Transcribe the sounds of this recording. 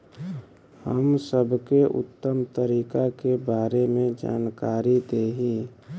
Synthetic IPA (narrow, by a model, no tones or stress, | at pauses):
həmsəbʱkeʔʊ̰t̪ːəmt̪əɾiːkakebaːɾemẽd͡ʒa̰ːnkaːɾid̪eːɦiː